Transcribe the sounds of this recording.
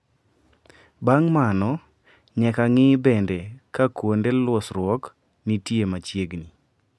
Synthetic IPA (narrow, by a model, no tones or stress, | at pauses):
baŋmanɔ | ɲɛkaŋɪbɛndekakwondelwɔsɾwɔk | nitjemat͡ʃjeɡni